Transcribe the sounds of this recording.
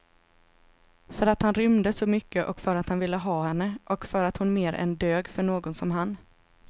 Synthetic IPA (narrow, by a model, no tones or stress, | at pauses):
fœɾat̪hanɾʏmd̪əsɔmʏkːəʔɔkfœɾat̪hanvɪlːəɦɑːhɛnːəʔɔkfœɾat̪hʊnmeːɾʔɛ̰nd̪øːɡfœɳoːɡɔnsɔmɦan